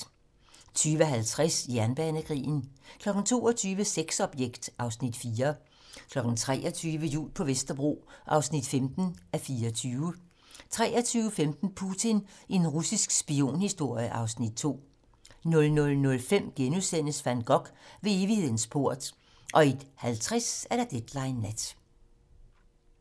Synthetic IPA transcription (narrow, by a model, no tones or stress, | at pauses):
t͡sʰyːʋəɦælt͡sʰʁɛsjæɐnb̥ɛːnəkʰʁḭːn̩kʰlɒ̽ɡ̥n̩t͡sʰo̝̰ːɒt͡sʰyːʋəseɡ̥sɒ̽b̥jeɡ̥d̥ʔɑ̈ʊsnid̥fiːɐ | kʰlɒ̽ɡ̥n̩t͡sʰʁɛ̰ːʔɒt͡sʰyːʋəjṵːlpʰɒ̽ʋesd̥ɐb̥ʁo̝̰ːʔɑ̈ʊsnid̥femd̥n̩ʔæfiːɐɒt͡sʰyːʊə | t͡sʰʁɛːɐt͡sʰyːʊfemd̥n̩pʰut͡sʰine̝nʁusisɡ̥sb̥io̝̰ːnhisd̥o̝ɐ̰jəʔɑ̈ʊsnid̥̚t͡sʰo̝̰ː | nɔ̽lnɔ̽lnɔ̽lfem̰ɡ̥enuðˠsen̰əsfæn̰d̥̚ɡ̥ɒ̽ɡ̥ʋe̝e̝ːʋihe̝ð̰ˠn̩sb̥ʰo̝ɐ̰d̥ | ʔɒ̽e̝d̥hælt͡sʰʁɛsæɐɾ̥ɐd̥ed̥lɑ̈ɪnːæd̥